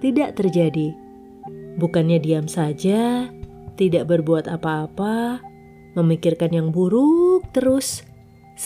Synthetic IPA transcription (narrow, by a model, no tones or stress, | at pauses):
t̪idaʔt̪ərd͡ʒadi | bukanɲadiamsad͡ʒa | t̪idaʔbərbuat̪apaːpa | məmikɪrkanjaŋbuɾʊk̚t̪əɾʊs